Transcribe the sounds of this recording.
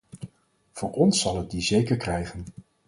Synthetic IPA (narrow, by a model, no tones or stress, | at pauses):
v̥ʊːɹʔɔnsːɑlˠət̚dizejkəɹkrɛjχən